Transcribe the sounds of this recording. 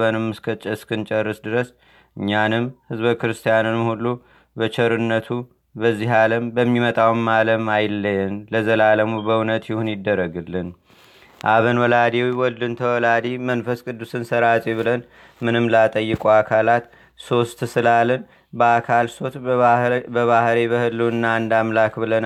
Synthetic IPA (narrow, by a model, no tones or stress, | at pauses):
βənɨmːɨskʰət͡ʃʼɛskʰɨnt͡ʃʼərːɨsd̪ɨɾəs | ʔɨɲːanɨmhɨzbəkɾɨst̪ʰijanɨnmhulːu | bət͡ʃʰəɾɨnːət̪ʰu | bəzːiɦaləmbəmːimət̪ʼawmːaləmajlːəjɛnləzəlaləmubəwnət̪jɪhunjɪd̪ːəɾːəɡɨlːɨn | ʔaβənwɔlad̪ewiwɔd̪ɨnt̪ʰəwɔlad̪emənfəskʼɨd̪ːusɨnsəɾasʼeβɨlən | mɨnɨmlat̪ʼəjːɨkʼuakʰalat̪ | so̞st̪sɨlalən | bəakʰalso̞t̪ | bəβahɾeβəhɨlːuɨnːaɨnd̪amlakbɨlən